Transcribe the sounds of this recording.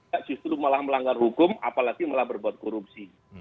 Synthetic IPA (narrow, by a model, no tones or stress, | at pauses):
aʔd͡ʒ̥ust̪ɾumalahməlaŋɡarhukʊma̰palaɡ̥imalahbərbuat̪̚koɾup̚si